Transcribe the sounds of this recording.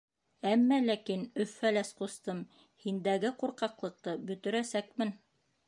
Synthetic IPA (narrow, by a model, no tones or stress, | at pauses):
æmːælækinɵ̆fːælæsqust̪ɤm | hind̪æɡɘquɾqɑqlˠɤ̆q̚t̪ɤbɵ̆t̪ɵ̆ɾæsækmɘn